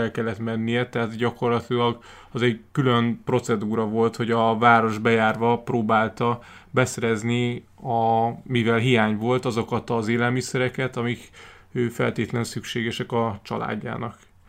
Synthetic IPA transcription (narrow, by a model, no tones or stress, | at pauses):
ɛlkɛlːɛt̪mɛnːijɛt̪ɛɦat̪ɟɒko̞rlɒt̪ilɒɡ | ɒzɛɟkylønpro̞t̪sɛd̪uːɾɒvo̞lt̪ho̞ɟɒvaːɾo̞ʒbɛjaːrvɒproːbaːlt̪ɒ | bɛsɛɾɛzni | ɒmivɛlɦijaːɲvo̞lt̪ɒzo̞kɒt̪ɒzeːlɛlmisɛɾɛkɛt̪ɒmik | øːfɛ̰lt̪eːt̪lɛnsykʃeːɡɛʃɛkɒt͡ʃɒ̰la̰ːɟːa̰ːnɒk